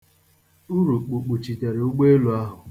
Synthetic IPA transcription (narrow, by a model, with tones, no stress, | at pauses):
u˦ɾu˨k͡pu˨k͡pu˨t͡ʃi˨te˨ɾe˨u˦ɡ͡be˦e˦lu˨a˦ɦʊ˨